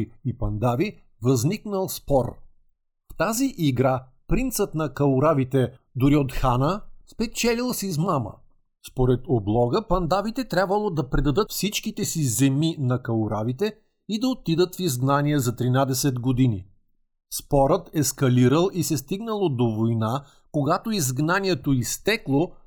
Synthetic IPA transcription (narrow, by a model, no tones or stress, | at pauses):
ipɐnd̪avi | vɐzniknəlˠspɔɾ | ft̪aziʔiɡɾa | pɾint̪sət̪nɐkɐluɾavit̪ɛ | d̪ʊɾiot̪xanəspɛt͡ʃɛlilˠsizmamə̰ | spoɾɛt̪oblˠɔɡəpɐnd̪avit̪ɛt̪ɾʲabvəlˠod̪ɐpɾɛd̪ɐd̪ɤt̪fsit͡ʃkit̪ɛsizɛminɐkɐlˠuɾavit̪ɛ | id̪ɐot̪id̪ət̪fizɡnaniɛzɐt̪ɾinad̪ɛsɛd̪ɡod̪inḭ | spɔɾət̪ɛskɐliɾəlˠisɛst̪iɡnəlˠod̪ovojna | koɡat̪oizɡnaniɛt̪oist̪ɛklˠo